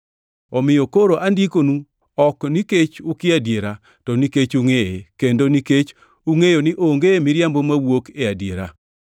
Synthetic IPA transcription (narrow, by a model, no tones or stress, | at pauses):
ɔmɪjokoɾoʔandikonu | ɔkniket͡ʃʊkɪadjeɾa | tɔniket͡ʃuŋeekendoniket͡ʃ | uŋejonɪʔoŋɡemɪɾjambomawokeadjeɾa̰